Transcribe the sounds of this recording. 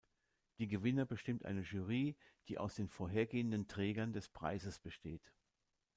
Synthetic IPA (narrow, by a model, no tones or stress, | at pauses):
d̥iːɡəvɪnɐbəʃtɪmtʔa̰ɪnəʒyːʁiːd̥iːʔa̰ʊsd̥eːnfoːɐɦeːɐɡeːəndəntʁ̥ɛːɡɐndɛspʁ̥a̰ɪzəsb̥əʃteːt